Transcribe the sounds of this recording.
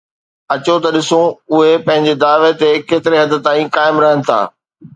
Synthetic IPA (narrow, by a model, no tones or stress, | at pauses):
ɐt͡ɕot̪ɐɗɪsõʊɦepɐ̃ɦɪ̃ɲd͡ʑed̪aːʋet̪ekeːt̪ɪɾeɦɐd̪ɪ̆t̪ãːĩkaːɪmɾɐɦənɪ̆t̪ʰa̰ː